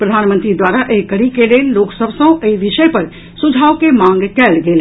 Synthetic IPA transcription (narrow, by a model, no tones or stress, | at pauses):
pɾəd̪ʱaːnmə̃nt̪ɾid̪waːɾaʔekəɽikeleːlloːksəbʱsə̃eiʋɪʃəepɐɾ | sʊd͡ʒʱaːʋkemãːŋɡkɛːlɡeːl